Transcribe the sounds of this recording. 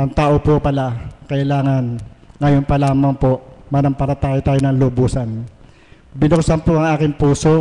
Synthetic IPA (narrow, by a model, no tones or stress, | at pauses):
ʔɐŋt̪aːʔopopɐlakɐʔɪlaːŋɐnŋɐjonpɐlaːmɐŋpoʔmɐnɐmpɐɾɐt̪aːjot̪aːjonɐŋlobuːsɐn | bɪnoksɐnpoʔɐŋʔaːkɪŋpuːso̞